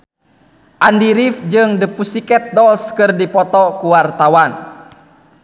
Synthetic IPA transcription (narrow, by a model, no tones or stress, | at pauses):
ʔandiɾifd͡ʒɨŋdəpusikɛt̪̚dɔlskɨrdipɔt̪ɔkuwart̪awan